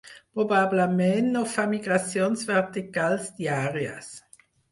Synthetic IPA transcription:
pʁobablamennofamiɡʁasjonsvɛʁt̪ikalsd̪̥jaʁja̰s

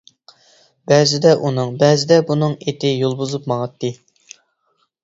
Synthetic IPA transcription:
bɛzɪd̪ɛʔunɨŋbɛzɪd̪ɛbunɨŋet̪ʰɪjolˠbuzupmɑʁɑt̪ːɨ

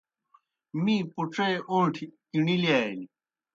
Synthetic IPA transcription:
miːpuʈ͡ʂeʔõɳʈʰi | iɳiliani

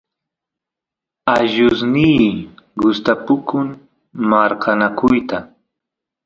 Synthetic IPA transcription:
aʒʊsnijɢʊst̪apʊkʊŋ | maɾkanakʊjt̪a

